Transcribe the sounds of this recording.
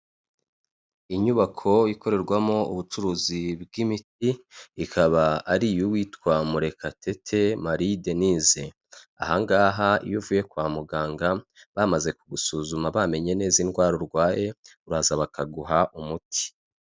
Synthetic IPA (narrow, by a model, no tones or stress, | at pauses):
iɲuβakʰo̞iko̞ɾe̞ɾɡwamo̞uβut͡ʃuɾuːzibɡimitiːkʰaβaːɾijuwiːtkwamuɾe̞kʰatʰe̞tʰe̞maɾideniːze | a̰haŋɡaːɦaḭjuvuːje̞kwaːmuɡaːŋɡa | βamaze̞kuɡusuːzumaβame̞ɲe̞ne̞ːzinɡwaːɾoɾɡwaːje̞uɾaːzaβakaɡuɦaʔumutʰi̥